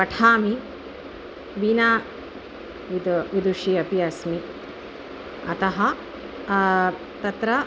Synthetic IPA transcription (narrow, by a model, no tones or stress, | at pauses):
pɐʈʰaːmi | ʋinaː | id̪ud̪uʃiɐpiɐsmi | ɐ̰t̪ɐɦɐ | t̪ɐt̪ɾɐ